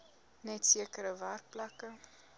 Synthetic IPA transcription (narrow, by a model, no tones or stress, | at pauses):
nɛtsiəkəɾəværk̚plɐkə